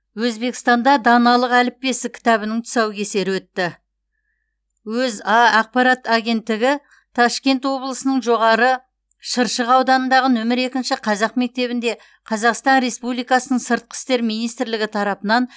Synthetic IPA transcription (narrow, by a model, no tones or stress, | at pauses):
wɵzbe̞kʲɪ̥st̪ɑnd̪ɑd̪ɑnɑlˠəqælɪp̚ːʲe̞sɪkʲʰɪ̥t̪ɑβɪnɪŋt̪ʰʊ̥sɑwkʲʰe̞se̞ɾɪwɵt̪ːɪ | wɵzɑɑq̚pɑɾɑt̪ɑɡʲe̞nt̪ːɪɡʲɪ | t̪ʰɑʃkʲe̞nt̪wo̞blˠəsənəɴʒo̞ʁɑɾə | ʃəɾʃəqɑwd̪ɑnənd̪ɑʁənɵmɪɾe̞kʲɪnʃɪqʰɑzɑqme̞k̚t̪e̞βɪnd̪e̞ | qʰɑzɑqst̪ɑnɾe̞spublijkɑsənəɴsəɾt̪̚qʰə̥st̪e̞ɾmijnijst̪ɾlɪɡʲɪt̪ʰɑɾɑpənɑn